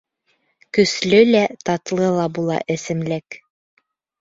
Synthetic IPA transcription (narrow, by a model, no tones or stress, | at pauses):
kɵ̆slɵlæt̪ɑt̪lˠɤlˠɑbulˠɑ̰ʔɘ̆sɘ̆mlæk